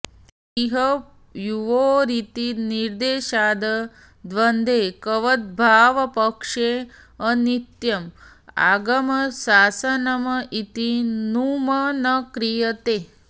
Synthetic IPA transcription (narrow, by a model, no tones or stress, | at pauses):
iɦɐ | juʋoːɾit̪iniɾd̪eːʃaːd̪ɐ | d̪ʋɐnd̪ʱeːkɐʋɐt̪̚bʱaːʋɐpɐkʂe | ɐnit̪jɐm | a̰ɡɐmɐsaːsɐnɐmɐʔit̪inumɐnɐkɾijɐt̪eː